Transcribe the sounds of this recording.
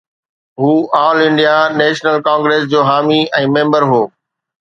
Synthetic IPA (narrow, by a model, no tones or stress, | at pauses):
ɦuːãːʊlɪ̃ɳɖijaneːʃnəlkãːŋɡɾeːsd͡ʑoːɦaːmiɛ̃ːmẽːmbəɾɦoː